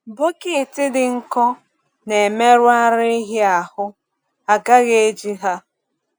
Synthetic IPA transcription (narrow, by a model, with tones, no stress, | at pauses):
bo˦kɪ˦˨tɪ˦dɪ˨ŋ̩˦kɔ˦ | ne˨e˨me˦ɾʊ˦a˦ɾɪ˦i˦ɦɪ˦a˨hʊ˦ | a˨ɡa˦ɣe˨e˦d͡ʒi˦ɦa˦